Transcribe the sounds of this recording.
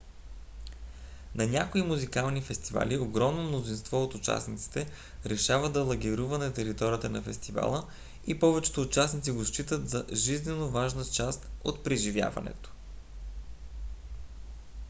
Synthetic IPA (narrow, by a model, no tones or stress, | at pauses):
nɐnʲakoimuzikalˠnifɛst̪iva̰lioɡɾɔmnomnozinst̪vɔot̪ʊt͡ʃa̰snit̪si̥t̪ɛ | ɾɛʃavəd̪ɐlˠɐɡʲiɾuvɐnɐt̪ɛɾit̪ɔɾʲiət̪ənɐfɛst̪iva̰lˠə | ipɔvɛt͡ʃɛ̥t̪oːt͡ʃasnit̪siɡoʃt͡ʃit̪ət̪zɐʒiznɛnovaʒnət͡ʃast̪ot̪pɾiʒivʲja̰vɐ̰nɛ̰t̪o̥